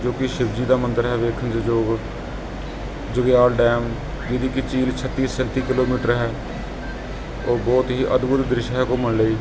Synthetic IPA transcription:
d͡ʒoːkɪʃɪbd͡ʒiːd̪aːmənd̪əɾɦɛːʋeːkʰənd͡ʒd͡ʒoːɡ | d͡ʒʊɡeaːlɖɛːm | d͡ʒɪd̪iːkɪt͡ʃiːlt͡ʃʰət̪ːiːsənt̪iːkɪloːmiːʈəɾɦɛː | oːbɔːt̪ɦiːʔəd̪bʊt̪d̪ɾɪʃɦɛːkʊməɳləiː

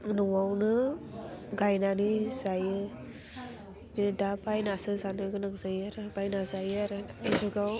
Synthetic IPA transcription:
nɔŋwawnɯ | ɡajnanɯzajɯ | nidapajnasɯzanɯɡɯnakzajaɾɯbajnazajɯaɾɯazuɡaw

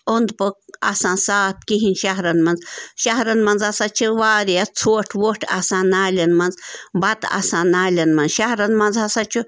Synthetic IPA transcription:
ond̪pɨkasãːnsaːp̚kiɦinʲʃaɦɾɐnmɐnzʃaɦɾɐnmɐnzɐsaːt͡ʃʰuʋaːɾijat͡sʰoːʈʰʋoːʈʰa̰sãːnaːlʲɐnmɐnzbɐt̪a̰sãːnaːlʲɐnmɐnʃaɦɾɐnmɐnzɐsat͡ʃʰu

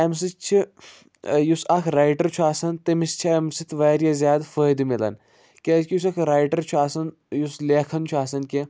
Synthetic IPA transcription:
ɐms̬it͡ʃʰi | jusɐkʰɾaːjʈɐɾt͡ʃʰuaːsɐnt̪ɐmist͡ʃʰiɐmsit̪ʰʋaːɾjazʲjaːd̪fəːjd̪milɐ̰n | kʲeːskʲijus̬ɐkʰɾaːjʈɐɾt͡ʃʰuaːsɐn | jusleːkʰɐnt͡ʃʰuaːsɐnkʲe

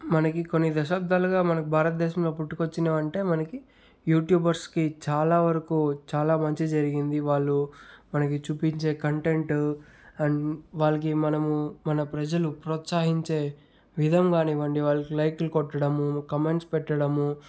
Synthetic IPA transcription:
mɐnɐkiko̞nːid̪ɐʃaːb̚d̪ʱaːluɡaːmɐnɐkibʱaːɾɐt̪̚d̪ɛːʃɐmlo̞ːpuʈːukot͡ʃːinɐʋɐɳʈe̞ːmɐnɐki | juːʈjuːbɐɾskit͡ʃaːlaːʋɐɾɐkuːt͡ʃaːlaːmɐɲt͡ʃid͡ʒɐɾiɡind̪iʋaːɭːumɐnɐkit͡ʃuːpiɲt͡ʃe̞ːkɐɳʈe̞ɳʈ | ɐnʋaːɭːɐk̬imɐnɐmumɐnɐpɾɐd͡ʒɐlupɾɔːt̪saːɦiɲt͡ʃe̞ː | ʋid̪ʱɐmɡaːniːʋɐɳɖiʋaːɭːɐkilɐjklukɔʈːɐɽɐmukɐme̞ɳʈspɛʈːɐɽɐmu

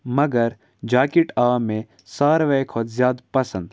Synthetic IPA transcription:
mɐɡəɾ | d͡ʒaːkiʈaːmẽ | saːɾʋɛjkʰoːt̪zjaːd̪pɐsə̃nd̪

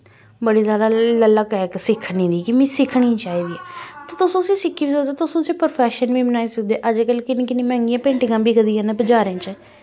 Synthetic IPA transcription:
bəɽiːlaːlaːləlaːkɛːksɪkʰːniːd̪iːkimĩːsɪkʰɽĩːt͡ʃaːiːd̪iːɛːt̪aːt̪ʊsõːsĩːsɪkʰːiːbisəd̪aːt̪ʊsõːsĩːpəɾpʰɛːʃənʋiːbənaːiːsəkʰd̪eːʔəd͡ʒkəlkɪnẽːkɪnĩːmɛ̃ːŋɡijãːpẽːɳʈɪɡãːbiːkəd̪ijãːnẽbəd͡ʒaːɾẽːt͡ʃə

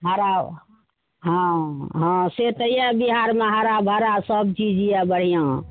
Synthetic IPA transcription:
ɦaɾab | ɦãɦãset̪əijabiɦaɾmeɦaɾabʱɦəɾasəb̚t͡ʃid͡ʒijabəɽ̤ijã

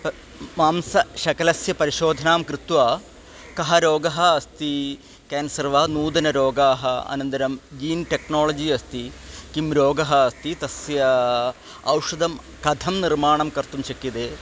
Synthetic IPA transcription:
p | maːmsɐʃɐkɐlɐsjɐpɐɾiʃoːd̪ʱɐnaːmkɾɨt̪ʋaː | kɐɦɐɾoːɡɐɦɐːst̪i | keːnsɐrʋaːnuːd̪ɐnɐɾoːɡaːɦɐɐ̰nɐnt̪ɐɾɐmd͡ʒiːnʈeknoːlɐd͡ʑiɐst̪ikimɾoːɡɐɦɐːst̪it̪ɐsjɐ | ɐ̰wʂɐd̪ɐm | kɐd̪ʱɐmnirmaːɳɐmkɐɾt̪umt͡ʃɐkːid̪eː

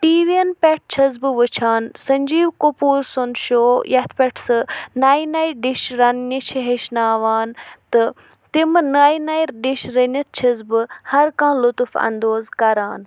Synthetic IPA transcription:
ʈiːʋienpʲeʈ̚ʰt͡ʃʰɐzbɨʋət͡ʃʰaːnsɐɲʲd͡ʒiːwkopuːɾsonʃoːjɐt̪ʰpʲɛʈʰsɨnaːinaːiɾɖiʃɾɐnnit͡ʃʰiɦeʃnaːʋaːnt̪ɨ | t̪imnaːinaːiɾɖiʃɾɐnɐt̪̚t͡ʃʰɐzbɨhɐɾkãːlʊt̪ufɐ̰nd̪oːzkɐɾaːn

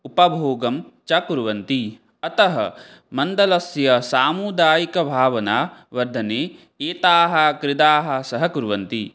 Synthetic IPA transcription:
upɐbʱoːɡɐmt͡ʃɐkuɾʋɐnt̪i | ɐt̪ɐɦɐ̰ | mɐnd̪ɐlɐsjɐsaːmud̪aːjikɐbʱaːʋɐnaːʋɐɾd̪ʱɐneː | eːt̪aːɦɐ̆kɾɪd̪aːɦɐ̆sɐɦɐkuɾʋɐnt̪i

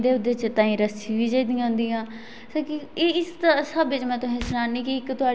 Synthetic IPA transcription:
d̪eːʊd̪eːt͡ʃt̪ãːĩːɾəsĩːʋiːd͡ʒəiːd̪ijãːɦʊ̃nd̪iːãː | soːkieɪst̪ːsəbɪt͡ʃmɛ̃ːt̪ʊsẽːsʊnaːnĩːkiɪkt̪ʊaː

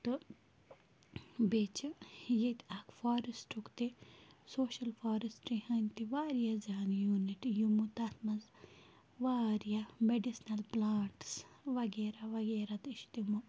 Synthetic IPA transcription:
t̪ɨ | beːt͡ʃʰɨjet̪akfaːɾisʈʰukt̪isoːʃɐlfaːɾisʈɾihɐnʲt̪iʋaːɾijɐzaːnjuːniʈjumut̪ɐt̪mɐz | ʋaːɾijameɖisnɐlplaːʈsʋɐɡeːɾaʋɐɡeːɾat̪iʃt̪imu

